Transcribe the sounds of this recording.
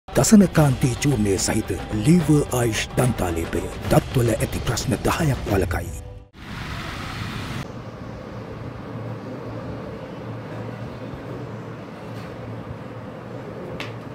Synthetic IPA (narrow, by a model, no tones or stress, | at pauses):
d̪̥ɐsɐnɐkaːnt̪iːt͡ʃuːneːsɐ̰ɦit̪liːʋəʔaːjiʃd̪ɐnt̪aːleːpɐ̰jə̰d̪ɐt̪ːulɐʔet̪ipɾɐsnɐd̪ɐhaːjakwɐlɐka̰j